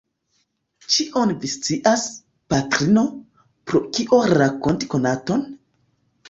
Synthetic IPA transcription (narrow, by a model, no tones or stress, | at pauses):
t͡ʃiʔo̞nvist͡siʔas | patɾino̞ | pɾokiʔo̞ɾako̞nti̥ko̞nato̞n